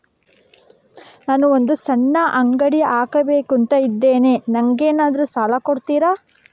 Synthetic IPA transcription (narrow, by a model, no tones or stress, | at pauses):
naːnuond̪usɐɳːɐʔɐŋɡɐɽiaːkɐbe̞ːkunt̪ɐid̪ːe̞ːne̞ːnɐŋɡeːnaːd̪ɐɾusaːlɐkoɽt̪iːɾaː